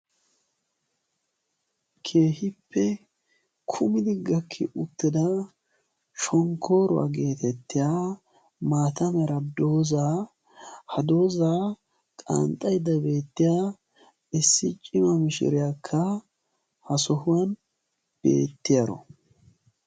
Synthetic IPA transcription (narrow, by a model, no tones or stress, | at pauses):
kʰe̞ːhɪpʰːɛ | kʰʊmɪd̪ɪɡɐkʰːɪ̰ʔʊt̪ːɪd̪ɐ | ʃɔŋkʰːo̞ːɾʊwa̰ɡe̞ːt̪ɛt̪ːɪjaː | maːt̪ɐmɛɾɐd̪o̞ːzaː | hɐd̪o̞ːzaː | kʼa̰nt̪ʼɐjd̪ɐbe̞ːt̪ːɪjaː | ɪsːɪt͡ʃʼɪmɐmɪʃɪ̰ɾɪjakʰːɐ | hɐsɔhʊwɐn | b̥e̞̰ːt̪ːɪjaɾɔ̰